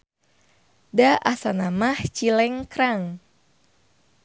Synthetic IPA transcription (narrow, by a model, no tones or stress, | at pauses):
daʔasanamaht͡ʃilɛŋkɾaŋ